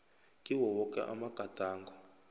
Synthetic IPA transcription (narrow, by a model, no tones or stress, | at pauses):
kʼiwɔwɔkʼɛ̰ʔa̰maɡ̥ʱataːŋɡɔ